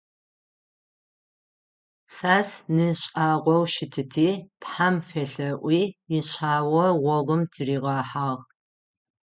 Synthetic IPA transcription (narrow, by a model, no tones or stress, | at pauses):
saːsnɨɕʼaːʁʷɔwʃɪtʰɨtʰiːtħamfeɬɐʔʷiːiɕʰaːwɐʁʷɔʁʷʊmtʰɨriːʁɑːħaːʁ